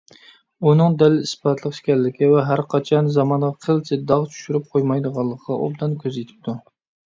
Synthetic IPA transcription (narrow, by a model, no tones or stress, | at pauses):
unɨŋd̪ɛlːɪispɑt̪ʰlˠəqʃkʲɛllːɪkʲivɛɦæɾqʰɑt͡ʃʰɑnzɑmɑnʁɑqʰəlˠt͡ʃ̪ʰɪd̪ɑʁt͡ʃʰy̥ʃyɾyp̚qʰojmɑjd̪əʁɑlˠːəqʰəʁɑʔo̰bd̪ɑnkʲʰøzet̪ʰɪ̥p̚t̪ʰu